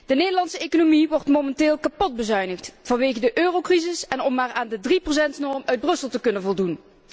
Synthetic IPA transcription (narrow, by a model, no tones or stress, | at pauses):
d̥ənejdəlɑntsəejkonomiʋɔrtmomɛnteːlˠkɑpɔd̚bəzœɥnəxtvɑnʋejɣədəʔøːrowkrizɪsɛnɔmːaːraːndədriprosɛntnɔɹmœɥd̚brɵsəlˠtəkɵnənvɔlˠdun